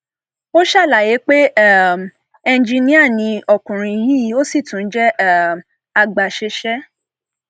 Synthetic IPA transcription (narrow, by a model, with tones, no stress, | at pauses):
o˦ʃa˦˨la˨je˨˦k͡pe˦˨m | ɛ˧n˦d͡ʒĩ˧nĩ˦a˦˨nĩ˧ɔ˨kũ˨ɾ̃ĩ˧ji˦ji˨˦o˦si˦˨tũ˨n̩˦d͡ʒɛ˦˨ | a˧ɡ͡ba˨ʃe˧ʃɛ˦